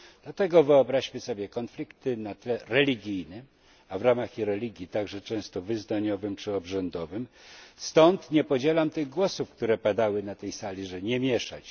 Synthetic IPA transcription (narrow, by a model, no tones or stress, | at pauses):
d̪̥lat̪ɛɡɔvɘɔbɾaɕmɘsɔbʲjɛkɔnflʲikt̪ɘnat̪lɛɾɛlʲiɡʲijnɘm | avɾamaxiɾɛlʲiɡʲjit̪aɡʐɛt͡ʂɛ̃w̃st̪ɔvɘznaɲɔvɘmt͡ʂɘɔbʐɛnd̪ɔvɘmst̪ɔnt̪ɲɛpɔd͡ʑɛlamt̪ɘɣɡwɔsufkt̪uɾɛpad̪awɘnat̪ɛjsalʲiʐɛɲɛmʲjɛʂa̰t͡ɕ